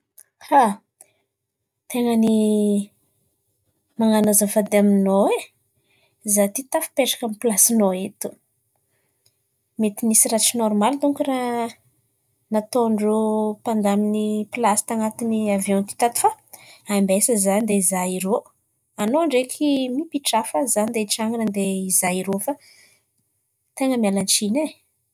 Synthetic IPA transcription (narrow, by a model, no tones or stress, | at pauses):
ha | t̪eŋəni | maŋanazəvad̪aminoe | zat̪it̪afi̥peʈ͡ʂḁkamipilasinoet̪u̥ | met̪inisiɾaʈ͡ʂinɔrmalit̪uŋkura | nat̪oɳɖ͡ʐopand̪aminipilasi̥t̪aŋat̪iniavjɔ̃nt̪i̥t̪at̪u̥fa | ambesəzanid̪eizaiɾo | anoaɳɖ͡ʐekʰimipiʈ͡ʂafazanid̪eʈ͡ʂaŋinənd̪eizaiɾofa | t̪eŋəmialant͡ʃine